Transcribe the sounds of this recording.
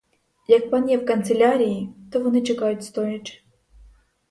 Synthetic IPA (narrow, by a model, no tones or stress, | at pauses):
jɐk̚panʲɛfkɐnt̪sɛlʲaɾʲijit̪ɔvɔnɨt͡ʂɛkajut͡sʲst̪ɔjʲit͡ʂ